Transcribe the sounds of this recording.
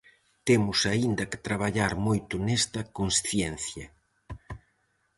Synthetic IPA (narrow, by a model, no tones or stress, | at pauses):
t̪emʊsaind̪ɐkɪ̥t̪ɾaβ̞aʎaɾmojt̪ʊnɛst̪ɐkonsθjɛn̟θjɐ